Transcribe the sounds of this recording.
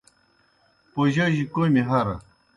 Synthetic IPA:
poʑaʑikomiɦɐɾɐ̰

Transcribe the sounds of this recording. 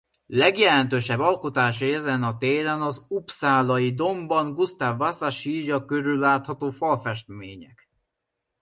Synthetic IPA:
lɛɡjɛlɛnt̪øːʃɛbːɒlkot̪aːʃiɛzɛnɒt̪eːɾɛnɒzupsaːlɒjid̪o̞mbɒŋɡust̪aːvːasaʃiːɾɒkøɾylːaːt̪hɒt̪oːfɒlfɛʃt̪̚meːɲɛk

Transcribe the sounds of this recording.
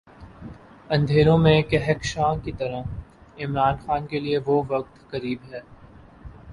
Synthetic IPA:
ɐ̃nd̪ʱeːɾõmẽkɛɦɛkʃãːkit̪ɐɾəɪmɾaːnxaːnkelieʋoːʋɐk̚t̪kɐɾiːbɦɛː

